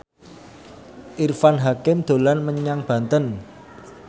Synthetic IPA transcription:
ʔirfanɦakɪmd̪̥o̤lanməɲaŋb̥ä̤nt̪ən

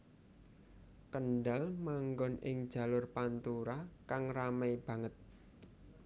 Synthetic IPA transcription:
kənɖalmaŋɡɔnɪ̰ŋd̥ʒ̥a̤lʊrpant̪uɾakaŋramajb̥ä̤ŋət̪̚

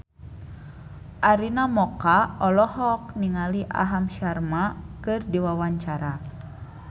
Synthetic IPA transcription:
ʔaɾinamɔkaɔlɔhɔk̚niŋaliʔa̰ɦamʃarmakɨrdiwawaɲt͡ʃaɾa

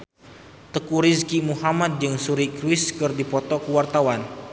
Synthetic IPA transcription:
t̪əkuɾiskimuhamat̪̚d͡ʒɨŋsuɾikɾwiskɨrdipɔt̪ɔkəwart̪awan

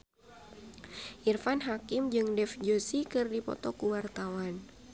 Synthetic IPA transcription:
ʔirfanɦakɪmd͡ʒɨŋdɛfd͡ʒosikɨrdipɔ̰t̪ɔkuwart̪awan

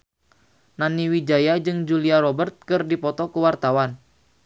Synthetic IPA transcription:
naniwid͡ʒajad͡ʒɨŋd͡ʒuliaɾɔbərt̪̚kɨrdipɔt̪ɔkuwart̪awan

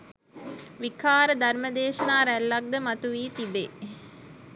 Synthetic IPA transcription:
ʋikʰaːɾəd̪ɐɾmɐd̪eːʃɐnaːɾælːɐk̚d̪əmɐt̪uʋiːt̪ibeː

